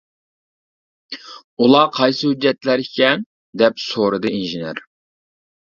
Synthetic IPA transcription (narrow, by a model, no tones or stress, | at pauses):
ulˠɑːqʰɑjsɨhyd͡ʒːɛt̪læɾikʲɛn | d̪ɛpsoɾɨd̪ɨinʒɨnøɾ